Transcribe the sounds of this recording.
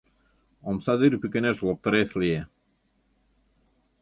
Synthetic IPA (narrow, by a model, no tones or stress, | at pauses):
omsɑd̪yɾpykʲeneʃlˠop̚t̪ɤ̆ɾeslie